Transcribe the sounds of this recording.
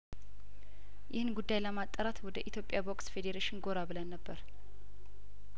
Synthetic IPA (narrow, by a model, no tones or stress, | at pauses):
jɪhɨnɡud̪ːajləmat̪ʼːəɾat̪wɔd̪əʔit̪ʰjopʼːjabokʼsfe̞d̪eɾeʃɪnɡo̞ɾabɨlənːəbːəɾ